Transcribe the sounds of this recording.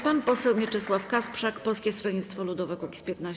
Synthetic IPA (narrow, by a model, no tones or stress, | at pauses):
panpɔsɛwmʲit͡ʂɛswafkaspʂakpɔlskʲɛst̪ɾɔɲit̪st̪fɔlud̪ɔvɛkukʲi̥spʲjɛt̪na